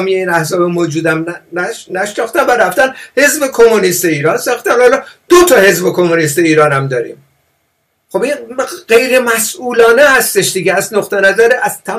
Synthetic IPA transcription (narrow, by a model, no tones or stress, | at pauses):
mijeiːnæhzɒːbemoːd͡ʒuːd̪æmnæʃnɒxt̪ænvæɾæft̪ænhe̞zbekʰomonist̪eiːɾɒːnsɒːxt̪ænhɒlɒd̪̥ot̪ʰɒːhe̞zbekʰo̞monist̪eiːɾɒːnæmd̪ɒːɾḭm | xo̞binɢe̞jɾemæsʔuːlɒːnehæst̪e̞ʃd̪iːɡeæznoχt̪ʰenæzæɾeʔæz̥t̪ʰæ